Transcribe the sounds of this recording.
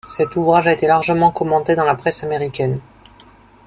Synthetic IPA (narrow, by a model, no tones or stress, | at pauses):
sɛt̪uvʁaʒaet̪elaʁʒəmɑ̃kɔmɑ̃t̪ed̪ɑ̃lapχɛsameʁikʲɛn